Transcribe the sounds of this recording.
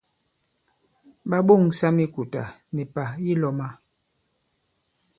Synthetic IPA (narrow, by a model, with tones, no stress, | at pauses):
ɓa˦ɓo˦˨ŋsa˦mi˦ku˨ta̰˨nɛ˨pa˨ji˦lɔ˨ma˦